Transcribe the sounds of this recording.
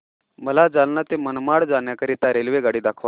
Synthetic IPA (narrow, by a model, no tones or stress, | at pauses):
məlad͡zalnat̪emənmaɽd͡zanjakəɾit̪aɾelʋeɡaɽiːd̪akʰʋa